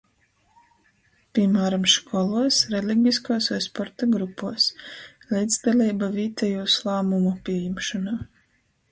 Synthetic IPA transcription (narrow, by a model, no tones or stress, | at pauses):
pʲiɛmæːɾamʃkɔlˠuɔsɾɛlʲiɡʲiskoːsɔjspɔɾt̪aɡɾupːuɔs | lʲid̪zd̪alʲiːbaviːt̪ɛjuːslˠaːmumupʲiɛjɛmʃanaː